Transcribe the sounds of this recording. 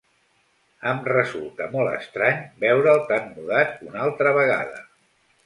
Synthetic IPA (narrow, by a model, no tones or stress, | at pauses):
əmrəzulˠt̪əmɔlˠə̰st̪ɾaɲbɛwɾəːlˠt̪anːuðat̪unalˠt̪ɾəβəɣ̞a̰ðə̰